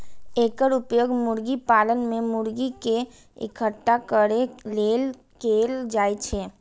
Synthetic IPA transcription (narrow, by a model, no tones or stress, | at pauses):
eːkəɾʊpjoːɡmʊɾɡipaːlənmẽmʊɾɡike | ɪ̰kʰəʈːakəɾeleːl | keld͡ʒaːjt͡ʃʰe